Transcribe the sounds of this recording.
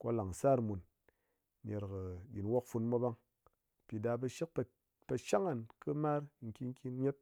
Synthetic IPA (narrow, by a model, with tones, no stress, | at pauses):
ko̰˦la˨ŋ˨sa˦˨ɾmu˨n | nʲe˧ɾkɨ˨ɗʲi˨n˦wo˦kfu˧nmʷa˦ba˦ŋ˨ | pi˨da˧bɨ˧ʃi˦k̚p | pe˧ʃa˦ŋa˨nkɨ˦ma˦ɾŋ̩˨kʲi˦ŋ˦kʲi˦nɲe˦t̚